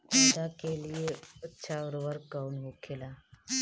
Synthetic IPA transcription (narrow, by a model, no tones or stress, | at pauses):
d̪akelieətːɕʰaʋəɾobəɾkəunɦokʰela